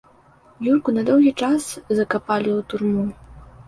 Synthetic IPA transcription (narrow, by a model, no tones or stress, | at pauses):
jurkunɐd̪ɔwɣʲit͡ʂaszɐkapalʲiwt̪urmu